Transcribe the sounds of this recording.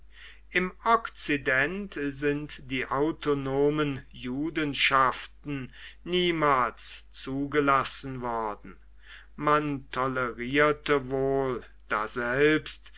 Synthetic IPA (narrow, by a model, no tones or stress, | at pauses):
ʔɪmɔkt͡sidɛntzɪntd̥iːʔaʊtonoːmənjuːdənʃaftn̩niːmaːlst͡suːɡəlasn̩vɔɐdn̩ | mantʰɔləʁiːɐtəvoːl | d̥aːzɛlpst